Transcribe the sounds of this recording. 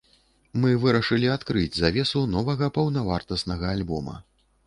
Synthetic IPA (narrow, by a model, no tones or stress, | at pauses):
mɨvɨɾɐʂɨlʲiat̪kɾɨd͡zʲzavʲɛsunɔvɐɣɐpɐwnɐvart̪ɐsnɐɣɐːlʲbɔmɐ̰